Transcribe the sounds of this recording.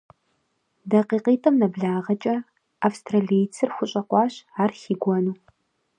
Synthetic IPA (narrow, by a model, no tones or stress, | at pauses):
dɐqiːqiːtʰɐmnɐbɮaːʁɐt͡ʃʼɐ | ʔafstʰraɮijt͡sʰɨrxʷʊɕʼɐqʷɑːɕaːrxiːɡʷɔnuː